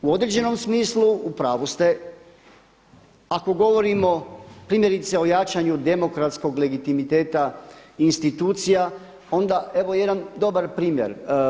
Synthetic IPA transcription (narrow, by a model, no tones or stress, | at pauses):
uod̪ɾed͡ʑe̞no̞msmiːsluupɾaːʋust̪e̞ | ako̞ɡo̞ʋo̞ɾimo̞pɾimje̞ɾit̪se̞o̞jat͡ʃaɲud̪e̞mo̞kɾat̪sko̞ɡle̞ɡit̪imit̪e̞ːt̪ainst̪it̪uːt̪sija | o̞nd̪ae̞ʋo̞je̞d̪and̪o̞baɾpɾiːmje̞̰ɾ